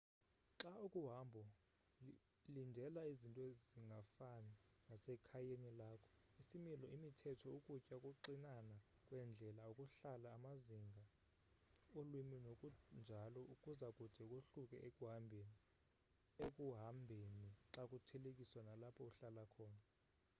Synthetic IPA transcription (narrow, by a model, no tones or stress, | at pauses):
ǁaukʼuɦambʱɔ | lindʱɛlaizintʼɔeziŋɡʱafaninasɛkʰajenilaːkʰɔ̥isimilɔimitʰɛtʰɔukʼucʼakʼuǃinana | kʼwɛnd͡ɮʱɛlaukʼuɬalaːmaziŋɡʱa | olwiminokʼund͡ʒʱalɔʔukʼuzakʼud̥ʱɛkʼuɬukʼɛʔekʼuɦambʱeni | ekʼuɦambʱeniǁakʼutʰɛlekʼiswanalapʰɔuɬalakʰɔːna